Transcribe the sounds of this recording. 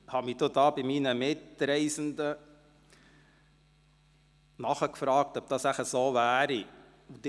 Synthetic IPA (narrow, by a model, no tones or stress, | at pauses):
hɑmid̥̪od̪ɑːbɪmiːnəmɪt̪ɾɛɪsənd̪ə | nɑχəkfɾɑːk̚t̪ɔb̥̚d̥̪ɑsæχəsoːvæːɾi | ud̪